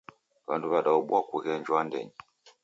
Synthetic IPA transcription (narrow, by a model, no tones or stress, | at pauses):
βa̰nduβaɗauɓwakuɣɛɲd͡ʒwandɛ̰ɲɛ